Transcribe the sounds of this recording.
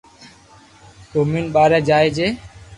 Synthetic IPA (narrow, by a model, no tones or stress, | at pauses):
toːmiːnɓaːɾɛːd͡ʒaːeːd͡ʒeː